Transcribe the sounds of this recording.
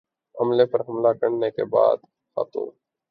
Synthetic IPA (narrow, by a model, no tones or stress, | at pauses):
əmleːpəɾɦɐmlakəɾnekḛba̰ːd̪ | xa̰ːt̪o̰ː